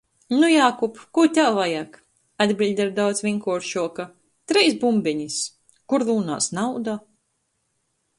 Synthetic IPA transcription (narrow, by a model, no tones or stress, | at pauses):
nujaːkupkut̪ʲalvajaːk | ad̪bʲilʲd̪ʲaɾd̪awt̪svʲiŋkuɔɾʃuɔka | t̪ɾɛjsbumbʲɛɲis | kuɾlˠuːna̰ːsnawd̪a